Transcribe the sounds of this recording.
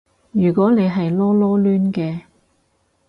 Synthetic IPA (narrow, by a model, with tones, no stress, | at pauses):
jyː˨˩kɔː˨˥ne˨˧jɦɐ˨jlɔː˥lɔː˥lyː˥nkɛː˧